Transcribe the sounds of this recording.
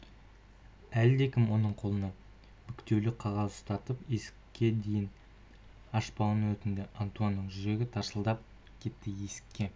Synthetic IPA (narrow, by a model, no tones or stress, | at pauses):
æld̪e̞kʲʰɪmwo̞nəɴqʰo̞lˠənɑ | mʏkt̪e̞wlɪqʰɑʁɑzəst̪ʰɑt̪əpje̞sɪ̥kʲːe̞d̪e̞jɪn | ɑʃpɑənwɵt̪ɪnd̪ɪʔant̪uanːəɴʒʏɾe̞ɡʲɪt̪ʰɑɾsəlˠd̪ɑp̚ | kʲʰe̞t̪ːɪje̞sɪ̥kʲːe̞